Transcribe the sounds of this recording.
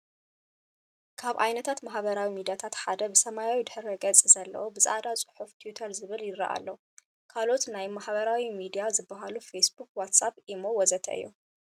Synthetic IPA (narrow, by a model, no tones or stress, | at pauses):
kʰaβʔajnɐt̪ʰat̪maħbɐɾawimid̪ijat̪ʰat̪ħad̪ɐbɨsɐmajawid̪ɨħɨɾɐɡɐt͡sʼizɐlːɐ̰wobɨzad̪at͡sʼɨ̥ħuft̪ʰijut̪ʰɐɾzɨβɨljɪrɐ̰ʔa̰lːɐw | kʰalo̞t̪najmaħbɐɾawimid̪ijazɨbːɐɦalufesbuk̚wat̪sapʔimowɔzɐt̪ʰɐ̰ʔɨ̰jːu